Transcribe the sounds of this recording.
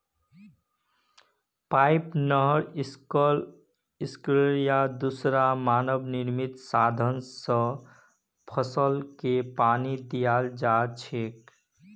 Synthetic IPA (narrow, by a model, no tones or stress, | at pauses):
pajpnəɦəɾiskəl | iskleɾijad̪usɾamanəbniɾmit̪sad̪ʱənsə̃ | pʰəsəlkepanid̪ijald͡ʒat͡ʃʰek